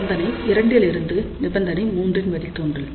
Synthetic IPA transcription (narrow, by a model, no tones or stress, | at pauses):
nd̪ɐnɐɪɪɾɐɳɖjlɪɾɯnd̪ɯnɪbɐnd̪ɐnɐɪmuːndrɪnʋɐɽɪlt̪oːndrɐ